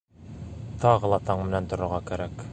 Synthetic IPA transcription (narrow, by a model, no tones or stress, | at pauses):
t̪ɑʁɤlˠɑt̪ɑɴmɘ̆nænt̪ŏɾŏɾʁɑkæɾæk